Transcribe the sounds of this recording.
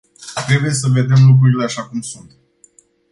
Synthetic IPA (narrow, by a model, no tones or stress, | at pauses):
t̪ɾe̞buje̞səve̞d̪e̞mluk̬ɾuɾile̞aʃakumsunt̪